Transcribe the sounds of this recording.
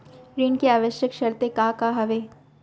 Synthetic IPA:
ɾiːnkeaːʋəʃjəkʃɐɾt̪ekaːkaɦɐʋeː

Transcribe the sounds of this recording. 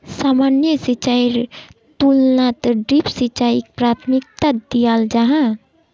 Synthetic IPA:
saːmaːnjəsit͡ʃaiɾ | t̪ulnat̪əɖɾipsit͡ʃaik̚pɾaːt̪ʰmik̚t̪ad̪ijald͡ʒaɦã

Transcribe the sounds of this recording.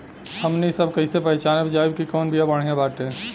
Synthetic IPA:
həmnisəbʱkəɦɪsepəɦɪt͡ʃanəbd͡ʒajbkikɔːnbʱijabəɽ̤ijãbaʈe

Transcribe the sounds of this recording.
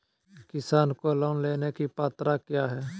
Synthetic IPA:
kɪsaːnkoəlaːʊnleːnekipaːt̪ɾakjaːɦɛː

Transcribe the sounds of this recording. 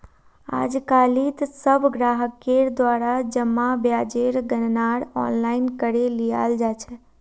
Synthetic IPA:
a̰d͡ʒkalit̪səbʱɡɾaɦəkːeɾd̪ʋaɾad͡ʒəmːabjad͡ʒeɾɡənnaɽɔ̰nlainkəɾelija̰ld͡ʒat͡ʃʰe

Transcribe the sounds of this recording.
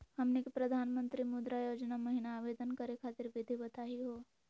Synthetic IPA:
hɐmnekipɾəd̪ʱaːnmə̃nt̪ɾimʊd̪ɾajoːd͡ʒnaməɦinaːʋeːd̪ənkəɾekʰaːt̪ɪɾʋɪd̪ʱibət̪aːɦiɦoː

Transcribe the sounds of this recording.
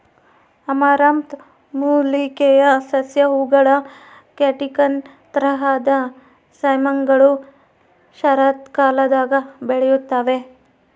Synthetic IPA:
ɐmaːɾaːmt̪ | muːlikejɐsɐsjɐɦuɡɐɭɐ | keʈikɐn | t̪ɾɐɦad̪ɐ | sɐjmɐŋɡɐɭu | ʃɐɾaːt̪kaːlɐd̪aːɡɐbeɭɛjut̪ːaːʋe

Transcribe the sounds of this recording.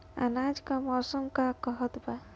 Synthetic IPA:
a̰nad͡ʒkamɔɾsəmkakəɦət̪ba

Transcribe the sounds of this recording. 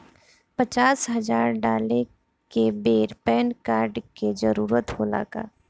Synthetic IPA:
pət͡ʃaːsɦɐzaːɾɖaːle | kebeːɾpɛːnkaːɾɖked͡ʒəɾuːɾət̪hoːla̰ːɡa̰ː

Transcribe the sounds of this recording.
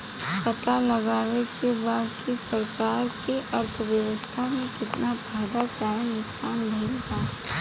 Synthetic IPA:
kɐt̪alɐɡaːʋekebaːd̪kisɐɾkaːɾkeʔɐɾt̪ʰʋjəʋəst̪ʰamẽkɪt̪napaːd̪at͡ʃaːenʊksaːnbʱeːlɡ̪aː

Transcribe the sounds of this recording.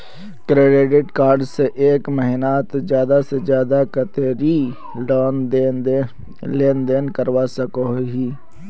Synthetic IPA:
kɾeːɖeːɖɪʈkaːɾɖseʔeːkməɦɪnaːt̪d͡ʒjaːd̪ased͡ʒjaːd̪akət̪eːɾi | oːn | leːnd̪eːnkəɾʋasəkoɦiː

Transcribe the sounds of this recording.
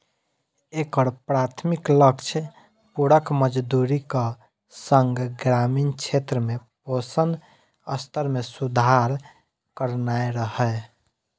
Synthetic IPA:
ekəɾpɾat̪ʰmikləkt͡ʃʰ | puɾəkməd͡ʒd̪uɾikə | səŋɡɡɾamint͡ʃʰet̪ɾəmeposən | ə̰st̪ʰəɾmesud̪ʱaɾ | kəɾnaeɾəhə

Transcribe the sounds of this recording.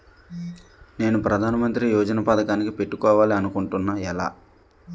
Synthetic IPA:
ne̞ːnupɾɐd̪ʱaːnɐmɐnt̪ɾijɔːd͡ʒɐnɐpaːd̪ɐkaːnikipeʈːukɔːʋaːliɐnukuɳʈunːaːɛla̰ː

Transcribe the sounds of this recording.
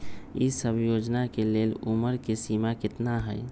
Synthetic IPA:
ḭsəbʱjod͡ʒnakeleluməɾkesimakɪt̪naɦəj

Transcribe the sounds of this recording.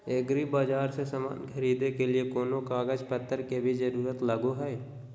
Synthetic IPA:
eːɡɾibaːd͡ʒaːɾsesɐma̰ːnkʰɐɾiːd̪ekeliekoːnokaːɡəd͡ʒpət̪ʰːəɾkebʱid͡ʒəɾuːɾət̪lɐɡoɦɛː

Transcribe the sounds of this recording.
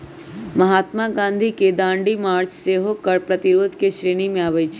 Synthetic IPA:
məɦat̪maɡãnd̪ʱiked̪ãɳɖimaɾt͡ʃseɦokəɾpɾət̪iɾod̪ʱkeʃɾeɽ̃imẽaʋəjt͡ʃʰe

